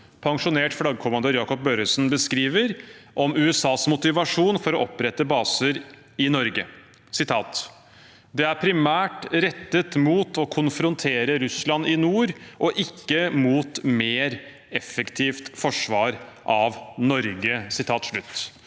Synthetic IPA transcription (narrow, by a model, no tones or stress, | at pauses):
pʰɑŋʂʊneːʈflɑɡəkʰʊmɑnd̪øːɾjɑːkɔp̚bøːɾəsnbəskɾiːʋəɾʔɔmʉːɛsɑːsmʊt̪ɪʋɑʂuːnfɔɾɔʔɔpɾɛt̪ːəbɑːsəɾ | ɪnɔɾɡə | sɪt̪ʰɑːt̪ | d̪ɛæɾpʰɾɪmæːʈɾɛt̪ːət̪muːt̪ɔkʰʊnfɾʊnt̪ʰeːɾəɾʉslɑnɪnuːɾʔɔʔɪkːəmuːt̪meːɾ | ɛfəkt̪ʰiːft̪fɔʂʋɑːɾʔɑʋnɔɾɡəsɪt̪ʰɑːt̪ʂɭʉt̪ː